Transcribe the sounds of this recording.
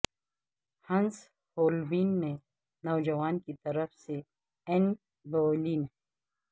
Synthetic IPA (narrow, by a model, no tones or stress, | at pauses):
hɐ̃ns | hoːlwiːnmẽ | nɐwd͡ʒɐwaːnkit̪ɐɾəfse | ɛn | boːliːnɛ